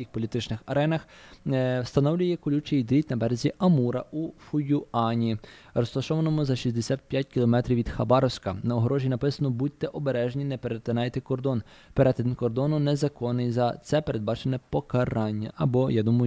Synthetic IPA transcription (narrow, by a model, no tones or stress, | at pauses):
kʲixpɔlʲit̪ɪt͡ʃnɪxɐɾɛnɐx | wst̪ɐnɔwlʲʊjɛkʊlʲut͡ʃiid̪ɾʲit̪ʲnɐbɛɾezʲiʔɐmuɾɐʔufʊjʊɑnʲi | ɾɔst̪ɐʃɔʋɐnɔmʊzɐʃisʲd̪esʲat̪̚pʲjatʲkʲilˠɔmɛt̪ɾʲiwʋʲːid̪xɐbɑɾɔwsʲkɐnɐɔɦɾɔʒʲinɐpɪsɐnɔbut̪̚ʲːɛʔɔbeɾɛʒnʲinɛpeɾet̪enɑjt̪ɪkɔrd̪ɔn | peɾɛt̪ɪnnkɔrd̪ɔnʊnɛzɐkɔnɪjzɐt̪sɛpe̞ɾe̞d̪̚bɑt͡ʃenɛpɔkɐɾɑnʲːɐʔɐbɔjad̪umɐj